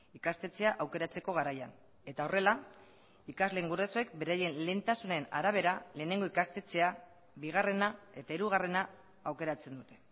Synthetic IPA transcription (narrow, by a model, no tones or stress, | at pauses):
ikast̪e̞t͡se̞aʔawke̞ɾat͡se̞ko̞ɣ̞aɾaja̰n | e̞t̪ao̞re̞la | ikazle̞ŋɡuresoe̞k̚be̞ɾaje̞nle̞nt̪asune̞na̰ɾaβ̞e̞ɾale̞ːne̞ŋɡo̞ikast̪e̞t͡se̞a | βiɣ̞are̞nae̞t̪aiɾuɣ̞are̞na | awke̞ɾat͡se̞nd̪ut̪e̞̥